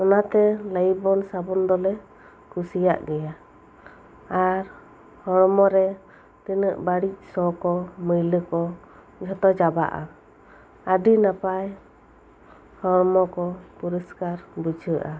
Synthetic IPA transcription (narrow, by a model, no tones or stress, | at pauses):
ɔnat̪ɛləjbɔnsabɔnd̪ɔlɛ | kʰusija̰ʔɡɛja | aɾ | hɔɾmɔɾɛ | t̪inəʔbaɽic̚ˀsɔkɔməjləkɔ | d͡ʒʱɔt̪ɔd͡ʒaba̰ʔa̰ | əɖinapaj | hɔɾmɔkɔpuɾəskaɾbud͡ʒʱəʔa